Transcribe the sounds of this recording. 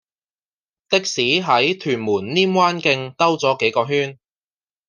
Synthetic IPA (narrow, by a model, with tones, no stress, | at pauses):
t̪ɪ˥k̚siː˨˥ɦɐ˨˥jt̪ʰyː˨˩nmuː˨˩nliː˥mwaː˥nkɪ˧ŋt̪ɐ˥wt͡sɔː˨˥ke˨˥jkɔː˧ɦyː˥n